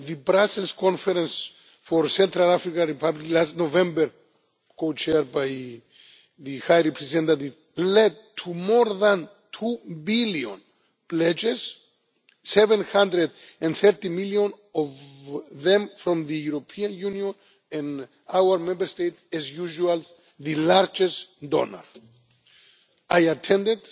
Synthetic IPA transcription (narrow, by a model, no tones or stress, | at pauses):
ðɨbɾasəlskʰɔ̃nfɛɾɛ̃ns | fɔɹsɛ̃nt̪ɾalafɹikãnɹipʰabliklastnovɛ̃mbəɹ | kʰot͡ʃʰɛbaj | ðɨhajɹɛpʰɹɛzɛ̃nt̪ativ | lɛd̚tʰumɔɹðãn | tʰubiljõ̰n | plɛd͡ʒɛzː | ɛvɛ̃nhãnd̪ɹɛd̪ɛ̃nθɛɹt̪imiljɔ̃n | ɔvðɛ̃mfɹɔ̃mðɨjuɾopʰiãnjũnjɔ̃n | ɛ̃n | awə˞mɛ̃mbəɹst̪ejtɛzjuʒual | ðɨlaɹd͡ʒɛstd̪ɔ̰na̰ɹ | ajat̪ʰɛ̃ndɛd̪